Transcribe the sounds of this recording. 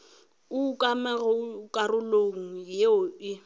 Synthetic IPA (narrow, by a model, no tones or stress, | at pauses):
ʊkʼamɛɣɔkʼarʊloŋ̩jeʊɪ